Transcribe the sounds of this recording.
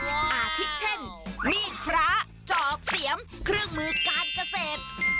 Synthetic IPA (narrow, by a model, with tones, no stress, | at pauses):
kʰi˦˥t̪̚t͡ɕʰe˥˩nmiː˥˩pʰɾa˦˥ | t͡ɕɔː˨˩k̚si˩˦əŋkʰɾɯ˥˩əŋmɯː˧kaː˧nka˧seː˨˩t̪̚